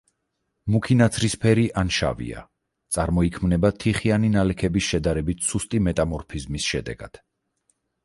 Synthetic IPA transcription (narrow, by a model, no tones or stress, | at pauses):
mukʰinat̪sʰɾispʰɛɾiʔanʃa̰vḭa̰ | t̪sʼaɾmɔikʰmnɛbat̪ʰiχianinalɛkʰɛbisʃɛd̪aɾɛbit̪ʰsust̪ʼimɛt̪ʼamɔɾpʰizmisʃɛd̪ɛ̰ɡ̥a̰d̪̥